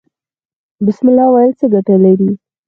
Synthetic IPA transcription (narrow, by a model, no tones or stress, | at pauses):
bɪsmɪlːɑwɑjəlt͡səɡaʈəlaɾi